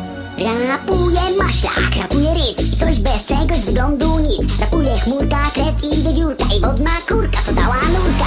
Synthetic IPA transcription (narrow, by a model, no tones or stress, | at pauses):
ɾapujɛmaɕlʲa̰kɾapujɛɾɪt̪sikt̪ɔʑbɛst͡ʂɛɡɔʑzɡlɔnd̪uɲit̪sɾapujɛxmuɾkakɾɛt̪ivʲɛd͡ʑuɾkaʔivɔd̪nakuɾkat̪ɔd̪a̰wanuɾka